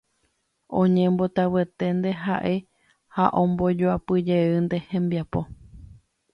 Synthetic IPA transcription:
õɲẽmbo̞t̪awet̪e̞nd̪e̞ɦaʔe̞ | haʔõmbo̞d͡ʒoapɨd͡ʒeɨnd̪e̞hẽ̞mbiapo̞

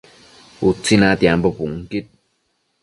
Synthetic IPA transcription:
ut͡sinat̪jampɔpuŋkit̚

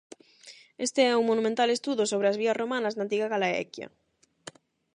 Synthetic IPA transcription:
est̪eɛuŋmonũmẽnt̪alest̪uðosoβɾeazβ̞iasromanaznant̪̬iɣaɣalaɛ̰kja̰

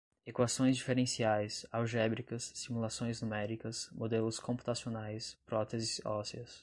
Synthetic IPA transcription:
ekwasõj̃zd͡ʒifeɾẽsiajsawʒɛbɾikɐsːimulasõj̃znumɛɾikɐsmod̪elʊskõmpu̥t̪asionajspɾɔt̪ezɪsɔsiɐs

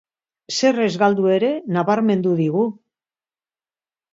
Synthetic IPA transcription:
se̞re̞zɣald̪ue̞ɾe̞naβaɾme̞nd̪uðiɣu

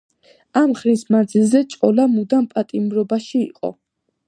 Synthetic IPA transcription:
amχɾismand̪zilˠzɛt͡ʃʼqʼɔlamud̪anpʼat̪ʼimɾɔbaʃḭːqʼɔ̰

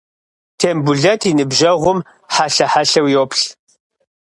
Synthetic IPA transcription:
tʰeːmbʊɮɐtʰinɨbʒɐʁʷʊm | ħaɬɐħaɬɐwjoːpʰɬ

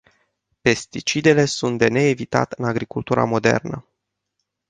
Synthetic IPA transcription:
pe̞st̪it͡ʃid̪e̞le̞sunt̪̚d̪e̞ne̞ːvit̪a̰t̪ɨnaɡɾikult̪uɾʔa̰mo̞d̪e̞̰rnə

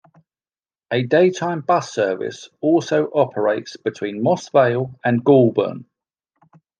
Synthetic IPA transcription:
ʔədeɪtʰãɪ̃mbʌsɜːvɪ̰sɔˑlˠsəʊʔɒpʰəɹeɪtsb̥ɪtʰw̥ĩːnmɒsveɪlˠə̃nɡɔːlˠbə̰̃n

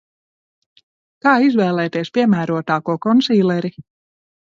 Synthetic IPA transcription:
kɑːizvɛːlɛːt̪eɛspʲiɛmæːɾuɔt̪aːkuɔkɔnsiːlɛɾi

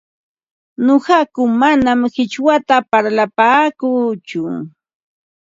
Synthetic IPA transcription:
nohɑkʊmanamhɪt͡ʃwat̪apaɾlapaːkuːt͡ʃʊ

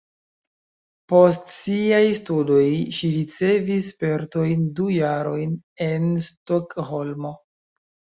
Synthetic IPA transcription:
po̞stsiajstudo̞jʃiɾit͡se̞vispe̞ɾto̞jndujaɾo̞jne̞nstokho̞lmo̞

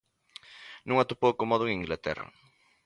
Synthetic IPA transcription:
nũŋat̪upowkomɔðʊeŋiŋɡlat̪ɛ̰rɐ̰

